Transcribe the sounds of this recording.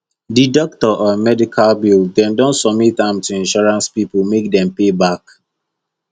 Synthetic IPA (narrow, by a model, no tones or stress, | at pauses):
didɔk̚tɔʔɔmɛdikʰalbildɛ̃ndõntsɔb̚mitãmtuĩnʃɔɹãnspipulmek̚dɛ̃mpebak